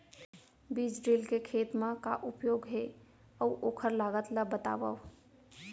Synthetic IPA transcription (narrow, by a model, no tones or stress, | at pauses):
biːd͡ʒɖilkekʰeːt̪mãka̰ʔupjoːɡɦe | əuʔoːkʰəɾlaːɡət̪ləbət̪a̰ːʋə̰ʋ